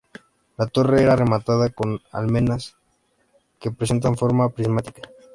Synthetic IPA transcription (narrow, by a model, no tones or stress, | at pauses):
lat̪o̞reeɾare̞mat̪aðako̞na̰lmẽ̞nas | ke̞pɾesent̪aɱfo̞ɾmapɾizmat̪i̥kḁ